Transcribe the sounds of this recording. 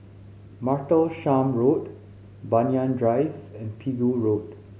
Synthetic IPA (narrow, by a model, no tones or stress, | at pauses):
matəlʃãmɹot | bãniãndɹajfɛ̃npʰiɡuɹot